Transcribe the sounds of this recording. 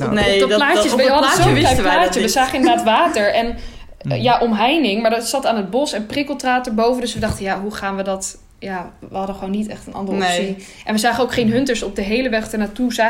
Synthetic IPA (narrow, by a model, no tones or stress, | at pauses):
neɔlaːəsəɑdəsoɛjplaːt͡ʃəʋəzaːχənɪndəɹdaːtʋaːtəɹɛn | jaʔɔmɦɛjnɪŋmaɹdɔtsɑtaːnɦəd̚bɔsɛnprɪkəlˠtraːt̚əɹbowvəndɵsʋədɑχtəjaɦuχaːnʋədɔt | jaʋəɦɑdəχəʋownːitɛ̰χtənʔɑ̰ndərəsi | ʔɛnʋəzaːχənowkχejnɦɵntəɹsɔp̚dəɦejləʋɛχtəɹnatuzaː